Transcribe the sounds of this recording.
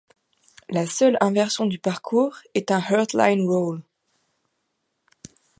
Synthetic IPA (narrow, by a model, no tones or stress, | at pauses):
lasœlɛ̃vɛʁsjɔ̃d̪ypaʁkʰuːʁɛt̪ɛ̃hœʁt̪la̰jnwɔl